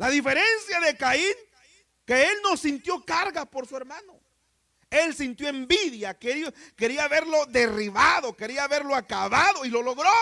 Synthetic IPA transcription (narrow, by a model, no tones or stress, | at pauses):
laðife̞ɾe̞nsjaðe̞kain | keelno̞sint̪jo̞kaɾɣapo̞ɾsue̞ɾmano | e̞lsint̪joembiðjakeɾioke̞ɾiaːβe̞ɾlo̞ðe̞riβaðo̞ke̞ɾiaːβe̞ɾloakaβaðo̞ilo̞lo̞ɣɾo